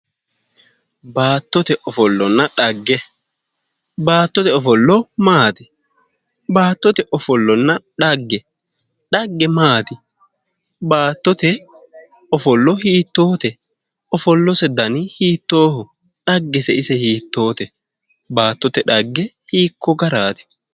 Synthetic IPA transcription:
baːt̪ːɔt̪ɛʔɔfɔlːɔnːɐᶑɐɡːɛ | baːt̪ːɔt̪ɛɔfɔlːɔmaːt̪ɪ | baːt̪ːɔt̪ɛʔɔfɔlːɔnːɐᶑɐɡːɛ | ᶑɐɡːɛmaːt̪ɪ | baːt̪ːɔt̪ɛ | ɔfɔlːɔhiːt̪ːoːt̪ɛ | ɔfɔlːɔsɛd̪ɐnɪhiːt̪ːoːhʊ | ᶑɐɡːɛsɛɪsɛhiːt̪ːo̞ːt̪ɛ | baːt̪ːɔt̪ɛᶑɐɡːɛhiːkːɔɡɐɾaːt̪ɪ̥

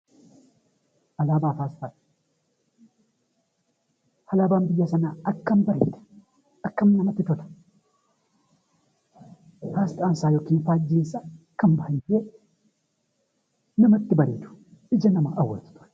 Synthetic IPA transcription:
ʔɐlaːbaːfaːst̪aᶑ | hɐlaːbaːmbɪjːɐsɐnɐɐkːɐmbɐɾḭːt̪ɐ̥ | ɐkːɐmnɐmɐt̪ːɪt̪ɔt̪ɐ̥ | faːst̪ɐansaːjokiːnfaːd͡ʒːiːnsakːɐmbɐhɐnd͡ʒe | nɐmɐt̪ːɪbɐɾiːt̪ʊ̥ | ʔɪd͡ʒɐnɐmɐʔɐwːɐ̰t̪ʊ̥t̪ʊ̥ɾ

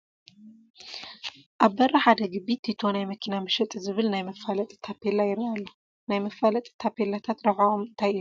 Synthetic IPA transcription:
ʔaβbɐrʔɐħad̪ɐɡɨbit̪ʰːit̪ʰo̞najmɐkʰinamɨʃɛt̪ʼzɨβɨlnajmɐfːalɐt̪ʼt̪ʰapʰːe̞lajɪɾalːo | najmɐfalɐt̪ʼt̪ʰːapʰe̞lat̪ʰat̪ɾɐħaomɨnt̪ʰajilu

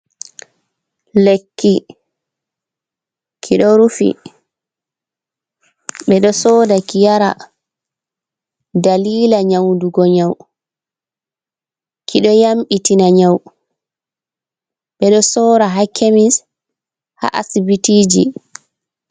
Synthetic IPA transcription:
lekːi | kʰiɗɔɾufḭ | ɓɛɗɔsɔːdakijaɾa̰ | daliːlaɲawnduɡɔɲaw | kʰiɗɔjamɓitinaɲaw | ɓɛɗɔsɔːɾaɦakʰemis | ha̰ʔa̰sibitiːd͡ʒḭ

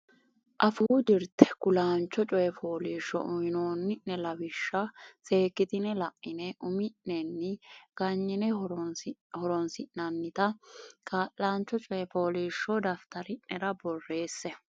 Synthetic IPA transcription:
ʔɐfuːd͡ʒɪɾt̪ɛ̥kʊlaːnt͡ʃːɔt͡ʃʼɔjɛfo̞ːliːʃːɔ̰ʔʊɪnoːnːɪʔːɛlɐbɪʃːɐse̞ːkːɪt̪ɪnɛlɐʔːɪnɛʔʊmɪnːɛnːɪɡ̥ɐɲːɪnɛ | hɔɾɔnsɪʔnɐnːɪt̪ɐkʰaːʔːaːnt͡ʃːɔt͡ʃʼɔjɛfoːliːʃːɔd̪ɐft̪ɐɾɪnɛɾɐbɔrːe̞ːsːɛ

